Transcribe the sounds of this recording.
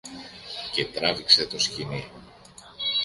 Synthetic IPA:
ce̞t̪ɾɐvikse̞t̪o̞scini

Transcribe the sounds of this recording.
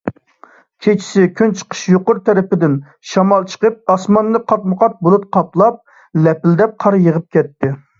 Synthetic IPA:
kʲʰet͡ʃʰi̥sɪkʲʰynt͡ʃʰə̥qʰə̥ʃjoqʊɾt̪ʰɛɾɪpɪd̪ɪn | ʃɑmɑlˠt͡ʃʰə̥qəp̚ɑsmɑnːɨqʰɑt̪̚məqɑt̪̚bolˠup̚qʰɑplˠɑp̚ | lɛpɪld̪ɛp̚qʰɑɾjəʁəp̚kʲʰɛt̪ʰːɪ

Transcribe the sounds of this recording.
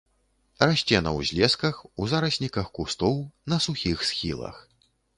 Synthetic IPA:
raɕʲt͡sʲɛnɐ̰wzʲlʲɛskɐxuzaɾɐsʲnʲikɐxkust̪ɔwnɐsuxʲixsxʲilˠɐ̰x

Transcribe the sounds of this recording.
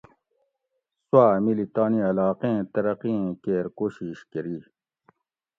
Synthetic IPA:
swaːmilit̪aːniɐlaːqẽt̪ɐɾɐqiẽkeːɾkoːɕiɕkɐɾi

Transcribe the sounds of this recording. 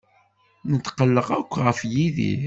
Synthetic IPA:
nət̪ːqəlːəʁækʷːʁəfjiðḭ

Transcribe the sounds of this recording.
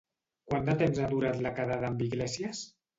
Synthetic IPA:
kwand̪at̪emzaðuɾat̪lakaðaðaːmbiɣlɛsjas

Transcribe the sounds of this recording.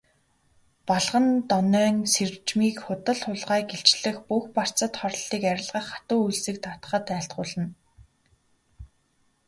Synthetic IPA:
pɔɮʁə̆nt̪ɔnœːŋsert͡ɕmiːkχʊt̪ə̆ɮχʊɮʁaːɡeɬt͡ɕɮɘ̆xpuxpar̥t͡sə̆t̪χɔɾ̆ʲɮiːkæɾʲɪ̆ɮʁə̆χḁt̪ʊːujɮsɘ̆k̚t̪ʰat̪χə̆t̪æːɬt̪ɢʊːɮə̆n

